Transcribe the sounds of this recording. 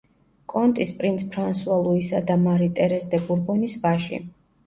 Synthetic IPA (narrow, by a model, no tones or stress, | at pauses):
kʼɔnt̪ʼispʼɾint̪sʰpʰɾansualˠuisad̪amaɾit̪ʼɛɾɛsd̪ɛbuɾbɔnisvaʃḭ